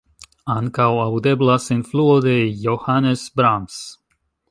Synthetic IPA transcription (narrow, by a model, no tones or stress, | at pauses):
ankawad̪eblasinfluod̪ejohanesbɾams